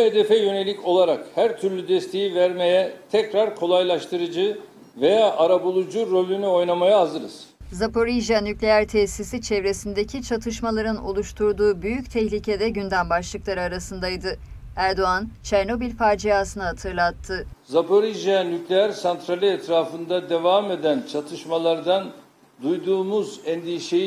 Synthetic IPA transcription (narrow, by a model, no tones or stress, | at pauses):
ed̪efɛjø̞ne̞lʲicʰo̞lˠaɾakhæɾt̪ʰyɾlʲyd̪ɛst̪ʰe̞jivæɾme̞jɛt̪ʰɛcɾaɾkʰo̞lˠajlˠaʃt̪ʰɯɾɯd͡ʒɯ | ve̞jaʔaɾabulˠud͡ʒuɾo̞lʲynyo̞jnamajaazɯɾɯz̥ | zapo̞ɾiʒanyclʲejæɾt̪ʰɛsisit͡ʃʰɛvɾe̞sind̪ecʰit͡ʃʰat̪ʰɯʃmalˠaɾɯno̞̰lˠuʃt̪ʰuɾd̪uːbyjyct̪ʰɛçlʲicʰed̪ɛɟynd̪ænbaʃlˠɯklˠaɾɯaɾasɯnd̪ajd̪ɯ | æɾd̪o̞ant͡ʃʰɛɾno̞bilʲfaɾd͡ʒijaːsɯnɯɦat̪ʰɯɾlˠat̪ʰːɯzapʰoɾiʒanyclʲejæɾsant̪ɾalʲiɛt̪ɾaːfɯnd̪ad̪e̞vaːme̞d̪ænt͡ʃʰat̪ʰɯʃmalˠaɾd̪an | d̪ujd̪uːmuzɛnd̪iʃej